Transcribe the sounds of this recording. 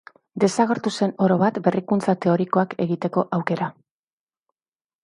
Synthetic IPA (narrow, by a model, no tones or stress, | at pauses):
d̪e̞saɣeɾt̪use̞no̞ɾo̞βat̪be̞rikunt͡sat̪e̞o̞ɾiko̞ake̞ɣit̪e̞ko̞ʔawke̞ɾa